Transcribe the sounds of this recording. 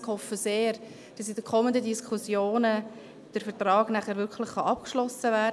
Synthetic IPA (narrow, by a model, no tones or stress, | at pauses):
khɔfːəseːɾ | d̥ɑsidəkʰɔməndədiskʰusjoːnə | d̥əɾfəɾtrɑːɡ̥næχəɾvʏɾkʰlɪχχɑʔɑpkʃlɔsəvɛd